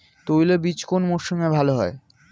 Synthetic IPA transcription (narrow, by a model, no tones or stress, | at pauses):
t̪ojlebit͡ɕkonmoʃimebʱaloɦɔe